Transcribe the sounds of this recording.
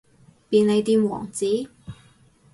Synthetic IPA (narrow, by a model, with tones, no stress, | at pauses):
piː˨˧nle˨˧jt̪iː˧mwɔ̰ː˨˩ŋt͡siː˨˥